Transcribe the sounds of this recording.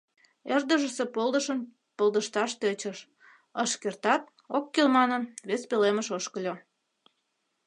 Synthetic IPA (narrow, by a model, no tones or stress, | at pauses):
erd̪əʒəsepolˠd̪əʃən | pəlˠd̪əʃt̪ɑʃt̪et͡ɕəʃ | əʃkert̪ɑt̪ | okːelmɑnənβespeleməʃoʃkəlʲo